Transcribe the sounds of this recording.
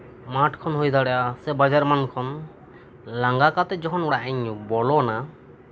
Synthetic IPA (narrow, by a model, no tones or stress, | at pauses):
maʈʰkʰɔnɦojd̪aɽɛʔasɛbad͡ʒaɾmankʰɔn | laŋɡakat̪ɛd͡ʒɔkʰɔnɔɽaʔɛɲɔbɔlɔna